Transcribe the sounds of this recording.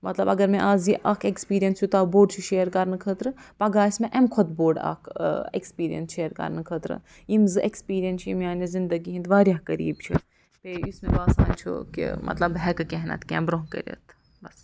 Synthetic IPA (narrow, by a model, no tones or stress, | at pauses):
mɐt̪lɐbɐɡɐɾmẽʔaːziʔakʰekspiːɾijɐnsjut̪aːboːɖt͡ʃʰiʃeːɾkɐɾnɨkʰət̪ɾɨpɐɡaːismẽʔɛmkʰot̪boːɖa̰kʰekspiːɾijɐ̰nsʃeːɾkɐ̰ɾnɨkʰət̪ɾɨ̰ | imzɨʔekspiːɾijɐnt͡ʃʰjimʲaːnizind̪ɐɡiɦĩnd̪ʋaːɾʲjaːɦkɐɾḭːbt͡ʃʰi | peusmebaːsaːnt͡ʃʰṵkḭmʔɐ̰t̪lɐbɦɛkɨkɛɦnɐ̰t̪kʲɛ̰mbɾoɦkə̰ɾʲɐ̰t̪ʰ | bɐs